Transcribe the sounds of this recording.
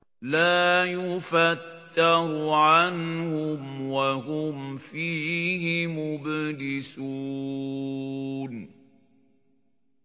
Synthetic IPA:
laːjʊfat̪ːaɾʊʕanhʊmwaɦʊmfiːɦɪmʊbdɪsuː | n

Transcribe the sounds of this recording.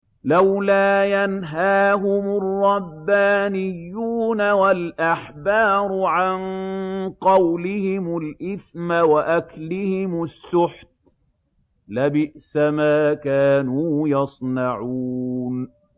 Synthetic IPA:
lawlaːjanɦaːɦʊmʊrˤːɑbːaːnɪjːuːnawalʔaħbɑːɾˤʊʕanqɑwlɪhɪmʊlʔɪθmawaʔaklɪhɪmʊsːʊħt̪̚ | labɪʔsamaːkaːnuːjɑsˤnɑʕuːn

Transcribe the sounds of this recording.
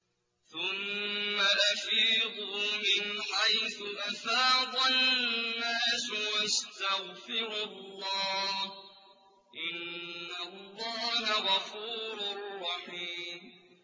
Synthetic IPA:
θʊmːalafiːðumɪnħajθʊʔafɑːðˤanːaːswast̪aɣfɪɾʊlːɑː | ʔɪnːalːɑːɦaɣɑfuːɾarˤːɑħiːm

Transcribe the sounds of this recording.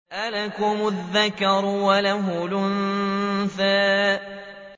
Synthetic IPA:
ʔalakʊmʊðːakɑɾˤwalaɦʊlʊnθaː

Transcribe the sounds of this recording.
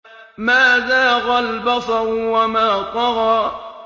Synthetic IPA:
maːðaːɣalbɑsˤɑɾwamaːtɑɾɑ

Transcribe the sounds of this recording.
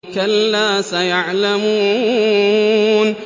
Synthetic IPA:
kɐlːaːsɐjaʕlamuː | n

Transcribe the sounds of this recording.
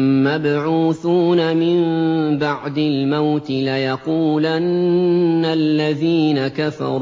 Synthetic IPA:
mabʕuːθuːnamɪmbaʕd̪ɪlmawt̪ɪlajɑquːlanː | alːaðiːnakafɑ̰ɾ

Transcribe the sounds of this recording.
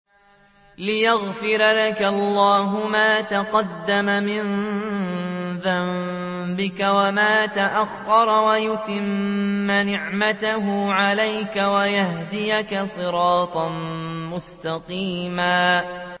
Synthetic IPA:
lɪjaɣfɪɾalakalːɑːɦʊmaːt̪aqɑd̪ːamamɪn | ðam | bɪkawamaːt̪aʔaxːɑɾˤɑwajʊt̪ɪmːanɪʕmat̪aɦʊʕalajkawajahd̪ɪjakasˤɨɾɑːt̪ˤɑnmʊst̪ɑqiːmaː

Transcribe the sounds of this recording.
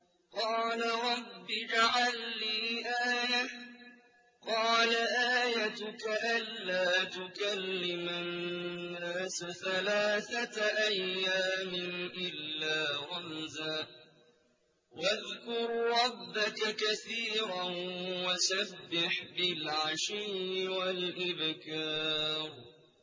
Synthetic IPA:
qɑːlaɾˤɑbːɪd͡ʒaʕalːiːʔaːja | qɑːlaʔaːjat̪ʊkaʔalːaːt̪ʊkalːɪmanː | aːsaθalaːθat̪aʔajːaːmɪnʔɪlːaːɣʊmzaː | waðkʊɾɾˤɑbːakakaθiːɾawasabːɪħbɪlʕaʃiːɪwalʔɪbkɑːɾˤ

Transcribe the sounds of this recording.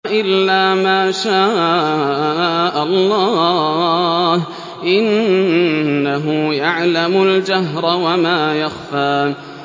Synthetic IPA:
ʔɪlːaːmaːʃaː | ʔalˤːɑː | h | ʔɪnː | aɦʊjaʕlamʊld͡ʒaɦɾˤɑwamaːjaxfaː

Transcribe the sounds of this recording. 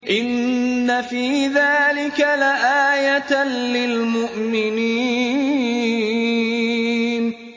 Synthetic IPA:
ʔɪnːafiːðaːlɪkalaʔaːjat̪lɪlmʊʔmɪniː | n

